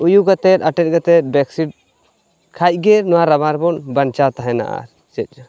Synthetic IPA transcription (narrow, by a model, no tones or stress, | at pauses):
ujuɡat̪ɛt̪̚aʈɛt̪̚ɡat̪ɛt̪̚bɛksiʈ̚ | kʰac̚ˀɡɛnɔwaɾabaɾbɔnbant͡ʃat̪aɦɛna̰ʔa̰ɾ | t͡ʃɛc̪̚ˀd͡ʒa